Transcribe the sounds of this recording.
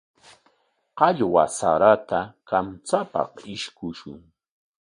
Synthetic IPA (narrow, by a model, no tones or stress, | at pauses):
qɑʎwasa̰ɾat̪akamt͡sapɑ̰qɪʃkʊʃʊ̰ŋ